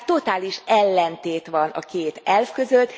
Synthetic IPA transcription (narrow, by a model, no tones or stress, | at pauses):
t̪o̞t̪aːliʃɛlːɛnt̪eːt̪ʋɒnɒ̰keːt̪ɛlfkø̞zøt̪ː